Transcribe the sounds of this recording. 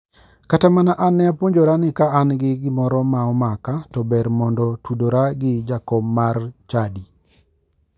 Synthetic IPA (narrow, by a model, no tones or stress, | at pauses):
katamanaʔanːɛapwoɲd͡ʒoɾanɪkaːnɡɪɡɪmɔɾɔmaɔmakatɔbɛɾmɔndɔtudoɾaɡɪd͡ʒakɔmːart͡ʃadi